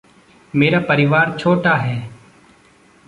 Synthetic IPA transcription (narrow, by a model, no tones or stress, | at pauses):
meːɾapəɾɪʋaːɾt͡ʃʰoːʈaɦɛː